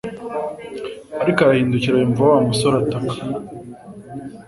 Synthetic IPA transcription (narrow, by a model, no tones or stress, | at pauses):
aɾikaɾahiːnduciɾajoɱvuawamusoɾatakḁ